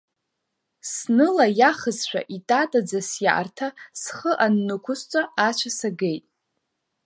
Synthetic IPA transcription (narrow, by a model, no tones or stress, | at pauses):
snɨlajaχəzʃʷᶣa̰ʔitʼatʼad͡zasja̰ʔa̰rtʰasχəʔanːɨkʷʰʊst͡ʃʷʼaat͡ʃʷʰasaɡejtʼ